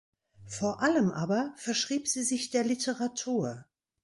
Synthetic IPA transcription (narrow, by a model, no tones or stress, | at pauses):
foːɐʔaləmʔaːbɐfɛɐʃʁ̥iːpz̥iːzɪçd̥eːɐlitəʁatʰuːɐ